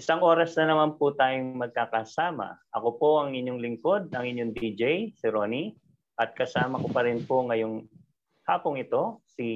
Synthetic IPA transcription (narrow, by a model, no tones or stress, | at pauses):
ʔɪsɐŋʔo̞ːɾɐsnɐnɐmanpʊt̪aːjoŋmɐɡ̚kaːkɐsaːmɐ̰ʔɐko̞po̞ʔɐŋɪnjoŋlɪŋko̞d̪̚ɐŋɪnjoŋd̪id͡ʒɛjsɪɾo̞ːni | ʔɐt̪̚kɐsaːmɐkopɐɾɪnpo̞ŋɐjo̞ŋ | ha̰ːpoŋɪt̪o̞si